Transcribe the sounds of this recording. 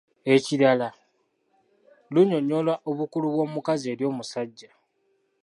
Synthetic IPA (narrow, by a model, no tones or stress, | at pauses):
e̞ciɾala | luɲo̞ɲo̞lwaʔo̞βukuluβwo̞ːmukazie̞ːɾjo̞ːmusaɟːa